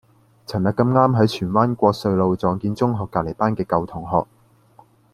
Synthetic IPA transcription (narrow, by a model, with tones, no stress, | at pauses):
t͡sʰɐ˨˩nɐ˨kːɐ˧mŋaː˥mɦɐ˨˥jt͡ʃʰyː˨˩nwaː˥nkʷɔː˧k̚sɵ˧ɥlo˨˧wt͡sɔː˨˧ŋkiː˧nt͡sʊ˥ŋɦɔː˨kːaː˧˨le˨˩paː˥nkɛː˧kɐ˧wt̪ʰʊ˨˩ŋɦɔː˨k̚